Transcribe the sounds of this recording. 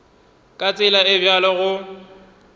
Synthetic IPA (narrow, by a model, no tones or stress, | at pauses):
kʼat͡sʼɪlaɪbjalɔɣʊ